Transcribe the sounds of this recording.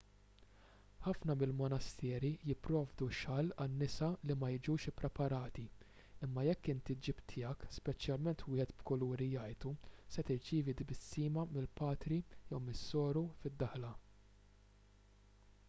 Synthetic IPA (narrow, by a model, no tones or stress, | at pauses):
ħɐfnɐmɪlmɔnɐst̪ɛːɾijɪpːɾɔːvd̪uʃɐlɐnːɪsɐlimɐjɪd͡ʒuːʃɪpːɾɛpɐɾɐːt̪i | ɪmːɐjɛkːɪnt̪id͡ʒɪpt̪ʰɪjɐkspɛt͡ʃjɐlmɛnt̪wɪːhɛt̪bkɔluːɾijɐjt̪usɛt̪ɪɾt͡ʃiːvid̪ɪbɪsːiːmɐmɪlpɐːt̪ɾijɛwmɪsːɔːɾufɪd̪ːɐħlɐ